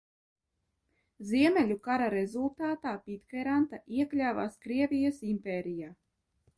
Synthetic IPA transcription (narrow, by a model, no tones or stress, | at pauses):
ziɛmʲɛlʲukaɾaɾezulˠt̪aːt̪aːpit̪kɛɾant̪aʔiɛklʲaːva̰ːskɾiɛvʲijɐsimpeːɾijaː